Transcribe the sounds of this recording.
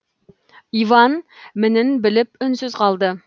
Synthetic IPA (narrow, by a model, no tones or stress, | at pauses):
ivɑnmɪnɪnbɪlɪpʏnsyzqʰɑlˠd̪ə